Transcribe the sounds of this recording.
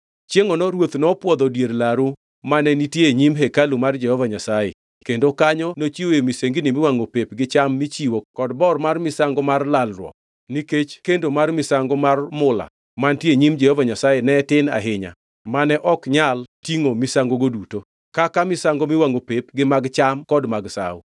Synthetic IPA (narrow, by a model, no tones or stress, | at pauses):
t͡ʃjeŋɔnɔɾwot̪nɔpwɔd̪ɔdjeɾlaɾu | manɛnitjeɲimɦɛkalumard͡ʒɛhɔvaɲasajḛ | kendokaɲɔnot͡ʃiwojemiseŋɡinimɪwaŋopepɡɪt͡ʃamːit͡ʃiwokɔdbɔrmarmɪsaŋɡɔmarlalrwɔ̰k | niket͡ʃkendomarmɪsaŋɡomarmʊla̰ | mantjeɲimd͡ʒɛhɔvaɲasajenɛtɪna̰ɦɪɲa̰ | manɛʔɔkɲaltiŋomisaŋɡoɡoduto | kakamɪsaŋɡomɪwaŋopepɡɪmaɡt͡ʃamkɔdmaɡsa̰w